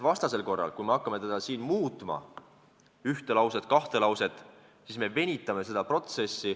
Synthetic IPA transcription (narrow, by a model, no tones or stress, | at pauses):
vɑst̪ɑse̞lko̞rːɑ̰lkujme̞ɑkːˑɑme̞t̪ed̪ɑsiːnmuːt̪ˑmɑ̰ | yht̪e̞lɑwsed̪̥kɑht̪e̞lɑwse̞t̪ˑ | siːsme̞ve̞nʲit̪ːˑɑme̞se̞d̪ɑpro̞t̪se̞sːi